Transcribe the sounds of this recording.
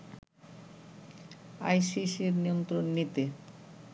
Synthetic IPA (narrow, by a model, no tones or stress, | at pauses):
ajsiʃiɾniont̪ɾonːit̪e